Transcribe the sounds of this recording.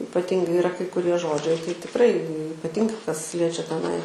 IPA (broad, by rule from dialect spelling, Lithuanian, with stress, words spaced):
ɪpɐˈtʲɪŋɡɐɪ ɪˈrɐ kɐɪ kʊˈrʲiɛ ˈʒoːd͡ʒʲɛɪ tɐɪ tʲɪkˈrɐɪ ɪpɐˈtʲɪŋɡɐɪ kɐs ˈlʲiɛt͡ʃʲɛ tʲɛˈnɐɪ